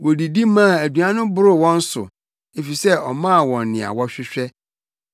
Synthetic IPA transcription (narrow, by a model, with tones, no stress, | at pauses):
wo˨di˨di˦mã˦˨æ˨du˨ã˦nʊ̃˦bʊ˦ɾʊ˦˨wɔ̃˦n̩˦sʊ̰˨ | e˨fi˨sɛ˦ɔ˨mã˦˨wɔ̃˨n˨nɪ̃˨a̰˨wɔ˦ɕᶣɪ˦ɕᶣɛ˦